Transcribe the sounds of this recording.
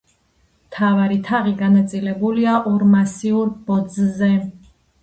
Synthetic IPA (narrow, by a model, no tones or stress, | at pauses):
mt̪ʰavaɾit̪ʰaʁiɡanat̪sʼilɛbuliaʔɔɾmasiuɾb̥ɔd̪zzɛ